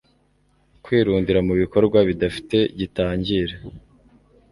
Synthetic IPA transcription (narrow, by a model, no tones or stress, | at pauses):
kwiːɾuːndiɾamuβiko̞ɾɡwaβidafi̥te̞ɟitaːɲɟiɾe